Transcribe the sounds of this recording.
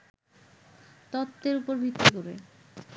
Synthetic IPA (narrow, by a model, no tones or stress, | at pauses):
t̪ɔt̪ːeɾupoɾbʱit̪ːikoɾḛ